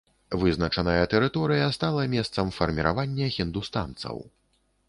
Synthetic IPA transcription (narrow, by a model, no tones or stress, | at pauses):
vɨznɐt͡ʂɐnɐjɐt̪ɛɾɨt̪ɔɾɨjɐst̪alˠɐmʲɛst̪sɐmfɐrmʲiɾa̰vanʲːɐɣʲind̪ust̪a̰nt̪sɐ̰w